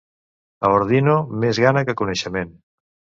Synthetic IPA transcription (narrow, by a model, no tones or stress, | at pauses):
əβoɾðinomezɣanəkəkunəʃəmen